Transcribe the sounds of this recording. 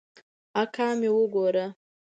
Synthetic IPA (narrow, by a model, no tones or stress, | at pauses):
akamiwʊɡoɾa